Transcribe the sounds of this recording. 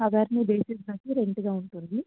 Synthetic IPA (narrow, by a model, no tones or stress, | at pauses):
ɐʋaːɾnid̪eːsisnɐkːiɾeɳʈuɡaːuɳʈund̪i